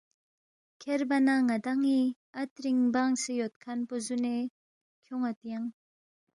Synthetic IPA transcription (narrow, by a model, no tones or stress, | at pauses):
kʰeɾbanaŋad̪aŋi | atɾiŋbaŋsejɔt̪̚kʰanpɔzune | kʰjɔŋat̪jaŋ